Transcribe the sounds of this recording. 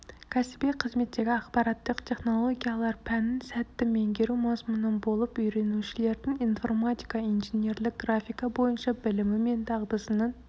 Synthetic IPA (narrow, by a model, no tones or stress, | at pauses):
kʲʰɛsbijqʰəzmet̪ːeɡʲiɑχbɑɾɑt̪lːˠəqt̪ʰeχnolˠoɡʲijɑlˠɑɾpʰɛnːɪnsɛt̪ːɪmeŋɡʲeɾumɑzmunːɨnbolˠupøjɾenut͡ʃʰileɾd̪ɪŋinfoɾmɑt̪ʰʲi̥kʰɑinʒenjeɾlɪk̚ʲɡɾɑfikɑbojɨnt͡ʃɑbɪlɪmɪment̪ʰɑʁd̪ɨsɨnɨŋ